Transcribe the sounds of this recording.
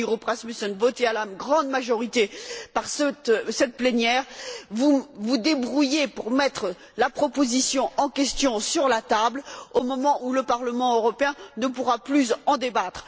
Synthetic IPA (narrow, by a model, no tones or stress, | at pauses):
ʁopχasmysɔnvɔt̪ealaɡʁɑ̃d̪maʒɔʁit̪epaʁsɛt̪sɛt̪̚plenjɛːʁvuvud̪ebʁujepuʁmɛt̪χ | lapχɔpozisjɔ̃ʔɑ̃kʲɛst̪jɔ̃syʁlat̪ablomɔmɑ̃ʔuləpaʁləmɑ̃øʁɔpeɛ̃nəpuʁaplyzɑ̃d̪ebat̪χ